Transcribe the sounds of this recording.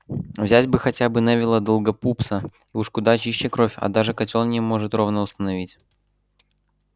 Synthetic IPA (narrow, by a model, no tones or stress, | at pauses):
vzʲætʲbɨxɐtʲabɨnavʲɪlˠəd̪əlˠɡɐpupsə | iuʂkʊd̪at͡ɕiɕːɪkɾo̞fʲɐ̰d̪aʐɨkɐtʲolnʲɪmo̞ʐɨt̪ɾo̞vnəʊst̪ənɐvʲitʲ